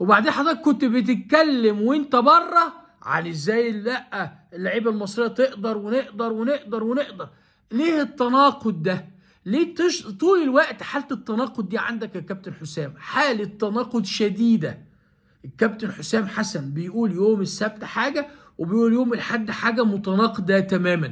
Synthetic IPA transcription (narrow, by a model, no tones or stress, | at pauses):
webaʕd̪eːnħɑd̪ˤɾˤːt̪̚kːont̪bet̪̬ɪt̪̚kælːemwent̪æbɑrˤːɑ | ʕa̰lezːæːjlːæʔːæ | elːaʕiːbælmɑsˤɾejːæt̪eʔd̪ɑɾˤweneʔd̪ɑɾˤweneʔd̪ɑɾˤweneʔd̪ɑɾˤ | leːhet̪ːænɑːqod̪̚ːæ | leːt̪eʃt̪uːlelwæʔt̪ħaːlt̪et̪ːɑnɑːqod̪̚ːiːʕa̰nd̪ækkæb̚t̪enħosæːmħaːlit̪ːænɑːqod̪ʃæd̪iːd̪æ | kːæb̚t̪ɪnħosæːmħasænbejʔuːljoːmesːæb̚t̪ħaːɡæ | webejʔuːljoːmelħad̪ːħaːɡæmot̪ɑnɑːqd̪æt̪æmæːmæn